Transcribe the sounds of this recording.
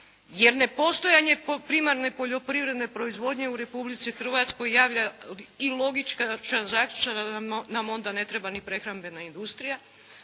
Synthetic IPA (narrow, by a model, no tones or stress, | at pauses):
je̞ɾne̞po̞st̪o̞jaɲe̞ppɾimaɾne̞po̞ʎo̞pɾivɾe̞d̪ne̞pɾo̞izʋo̞d̪ɲe̞uɾe̞publit̪sixr̩ʋat̪sko̞jːaːʋʎailˠo̞ɡit͡ʃkat͡ʃanazaːkʎu̥t͡ʃananamo̞nd̪ane̞t̪ɾe̞banipɾe̞xɾambe̞naind̪ust̪ɾija